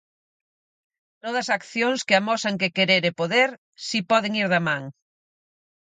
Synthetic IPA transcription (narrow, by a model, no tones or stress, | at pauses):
t̪oð̞ɐsakθjoŋskɪamɔsaŋkekeɾeɾepoðeɾ | sipɔðɪŋiɾðɐmãŋ